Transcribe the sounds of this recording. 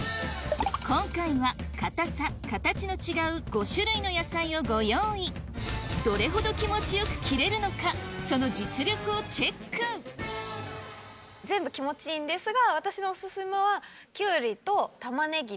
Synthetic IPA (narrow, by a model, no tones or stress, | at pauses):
kõ̞ŋkaiβakat̪asakat̪at͡ɕino̞t͡ɕiɡaɯ̟ɡo̞ɕɨɾɯ̟ino̞jasaio̞ɡo̞jõid̪̥o̞ɾe̞ɦo̞d̪o̞kʲimo̞t͡ɕijo̞kɯ̟̥kʲiɾe̞ɾɯ̟no̞kaso̞no̞d͡ʑit͡sɨɾʲo̞kɯ̟o̞t͡ɕe̞kːɯ̃k | zẽ̞mbɯ̟kʲimo̞t͡ɕĩːnd̪e̞sɨɡaβat̪aɕino̞ːsɨsɨmeβa | kʲɨːɾʲit̪o̞t̪amane̞ɡʲi